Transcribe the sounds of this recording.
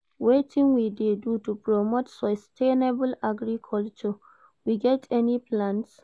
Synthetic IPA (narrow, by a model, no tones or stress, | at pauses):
wetʰĩŋwidedutupɹɔmotsɔstʰenebəlaɡɹikʰɔlt͡ʃɔ | wiɡɛtʰɛnipʰlãns